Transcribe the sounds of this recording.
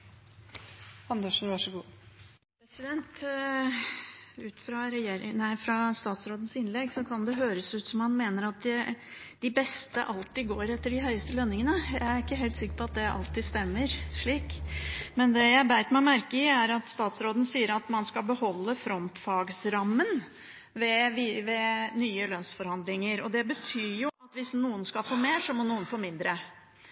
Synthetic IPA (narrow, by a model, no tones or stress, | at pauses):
ɑnd̪əʂn̩ʋɑʂɔɡuː | pɾɛsɪd̪ɛnt̪ | ʉːt̪fɾɑɾɛjeːɾɪnæɪfɾɑst̪ɑːt̪sɾoːd̪n̩sɪnlɛɡsɔkʰɑnd̪ɛɦøːɾəsʉːt̪sɔmhɑnmeːnəɾɑt̪̚d̪ɪ | d̪̥ɪbɛst̪ə̰ʔɑlt̪ɪɡoːɾɛt̪ːəɖɪɦœʏəst̪əlœnːɪŋənəjæɪæɾɪkːəɦeːlt̪sɪkːə̥pɔɑt̪̚d̪ɛʔɑ̰lt̪iːst̪ɛmːəɾʂɭiːkmɛnd̪ɛjæɪbæɪt̪mæɪmæɾkəɪæɾɑt̪st̪ɑːt̪sɾoːd̪ən̩siːəɾɑt̪mɑnskɑlbəhɔlːəfɾɔnt̪fɑɡsɾɑmːən | ʋɛʋiʋɛnyːəlœnsfɔɾhɑnd̪lɪŋəɾɔd̪ɛbət̪ʰyːɾjʊɑt̪ʋɪsnuːənskɑlfoːmeːʂɔmɔnuːənfoːmɪnd̪ɾə